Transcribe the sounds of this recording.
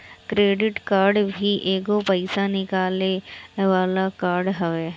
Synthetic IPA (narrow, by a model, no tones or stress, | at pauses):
kɾeːɖɪʈkaːɾɖbʱiʔeːɡopɐɪsanɪkaːleʋaːlakaːɾɖɦɐʋeː